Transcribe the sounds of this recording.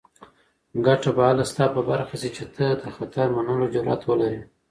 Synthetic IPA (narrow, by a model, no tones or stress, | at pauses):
ɡaʈabaɑlast̪ɑpəbaɾxasit͡ʃet̪ʰəd̪əxat̪aɾmanəlod͡ʒʊɾɑ̰t̪wəlaɾi